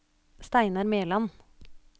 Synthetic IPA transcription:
st̪æɪnɑɾmeːlɑn

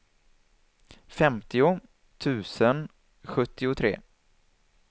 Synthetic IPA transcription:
fɛmt̪ɪʊ | t̪ʰʉ̟ːsən | ɧɵt̪ːɪʊt̪ʰɾḛː

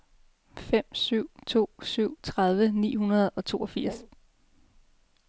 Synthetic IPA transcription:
fem̰syʊ̰t͡sʰo̝̰ːsyʊ̰t͡sʰʁað̞ˠʋənḭːhunɐð̞̩ˠɒ̽t͡sʰo̝̰ːʔɒfiɐ̰s

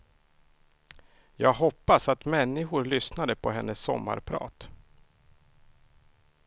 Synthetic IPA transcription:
jɑːɡɦɔpːasat̪mɛnːɪɧʊɾɭʏsnad̪əpʰɔɦɛnːəsːɔ̰mːa̰ɾpʰɾɑ̰ːt̪

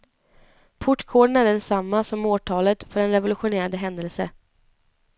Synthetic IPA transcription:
pʰʊʈːkʰoːɖənæɖɛnsamːasɔmoːʈʰɑːlət̪fœɾɛnɾɛvʊlɵɧʊneːɾad̪əɦɛnd̪əlsə

